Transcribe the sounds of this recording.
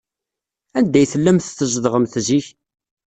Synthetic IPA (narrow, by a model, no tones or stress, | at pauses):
ænd̪æjθəlːæmθθəʒðʁəmθziç